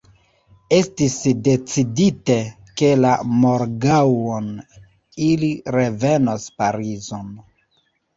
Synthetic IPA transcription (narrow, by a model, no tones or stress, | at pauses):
e̞stisde̞t͡sidite | ke̞lamo̞ɾɡawon | iliɾe̞ve̞nospaɾizon